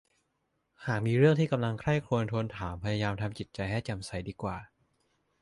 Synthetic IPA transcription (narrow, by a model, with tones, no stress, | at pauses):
haː˨˩k̚miː˧ɾɯ˥˩əŋt̪iː˥˩ka˧mla˧ŋkʰɾa˥˩jkʰlu˧ənt̪ʰu˧nt̪ʰaː˩˦mpʰa˧ja˧jaː˧mt̪ʰa˧mt͡ɕi˨˩t̪̚t͡ɕa˧jhɛː˥˩t͡ɕa˨˩msa˨˩˦jdiː˧kwaː˨˩